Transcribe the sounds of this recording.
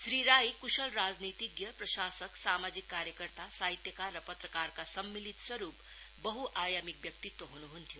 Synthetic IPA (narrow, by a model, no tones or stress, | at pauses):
sɾiɾaːikuʃəlɾaːd͡zniːt̪iɡjɐpɾɐʃaːsəksaːmaːd͡ʒikːaːɾjəkəɾt̪asaːɦit̪jəkaɾːəpɐt̪ɾəkaːɾkasɐmːilit̪swɐɾuːp | bəɦuʔaːjamik̚bjɐk̚t̪it̪wɐɦunuɦunt̪ʰiju